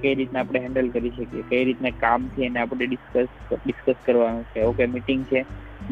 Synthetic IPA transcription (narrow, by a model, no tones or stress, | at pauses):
kəjɾit̪naapɽ̃eɦɛ̃ɳɖəlkəɾiʃəkijekəjɾit̪nakamt̪ʰieneapəɽeɖɪskəs | ɖɪskəskəɾʋanũt͡ʃʰeokemiʈiŋɡt͡ʃʰe